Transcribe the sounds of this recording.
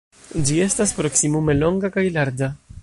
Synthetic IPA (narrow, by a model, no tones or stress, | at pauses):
d͡ʒie̞staspɾo̞ksimume̞lo̞ŋɡakajlaɾd͡ʒa